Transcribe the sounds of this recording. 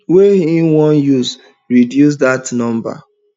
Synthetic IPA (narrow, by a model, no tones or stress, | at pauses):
weĩnwɔ̃njus | ɹidjus̬datnɔ̃mba̰